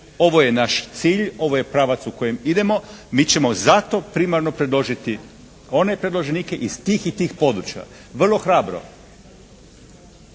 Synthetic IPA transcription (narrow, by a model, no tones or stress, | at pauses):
o̞ʋo̞je̞naʃt̪siːʎo̞ʋoje̞pɾaʋat̪suko̞jemid̪e̞mo̞mit͡ɕe̞mo̞zat̪o̞pɾimaɾno̞pɾed̪loʒit̪i | o̞ne̞pɾed̪lˠo̞ʒenike̞ʔizt̪iːxit̪iːxpo̞d̪ɾut͡ɕia̰ | ʋr̩lˠo̞xɾaːbɾo̰